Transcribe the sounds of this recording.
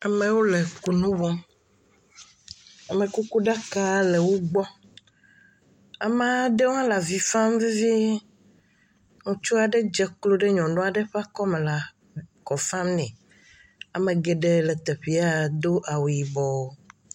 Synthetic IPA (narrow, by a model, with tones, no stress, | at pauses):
a˨mẽ˨wo˦le˨ku˨nũ˦wɔ˦m | a˨mẽ˨ku˦ku˦ɖa˦ka˦le˨wo˦ɡ͡bɔ˦ | a̰˨ma˦ɖe˦wo˦ã˦la˨vi˨fã˦mvi˦vi˦ | nũ˨t͡ʃo˦a˨ɖe˦d͡ʒɛ˦klo˦ɖe˦ɲɔ̃˨nõ˦a˨ɖe˦ɸa˦kɔ˦me˨la˨ | kɔ˨fa˦mnɛ̃˨ | a˨mẽ˨ɡe˨ɖe˦le˨t̪ɛ˨ɸi˨a˦d̪o˦ʔa˨wi˨bɔ˨